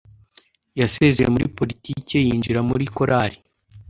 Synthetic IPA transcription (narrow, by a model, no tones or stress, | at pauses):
jasezejemuɾḭpo̞ɾitice̞jiːnd͡ʒiɾamuɾiko̞ɾʔaɾi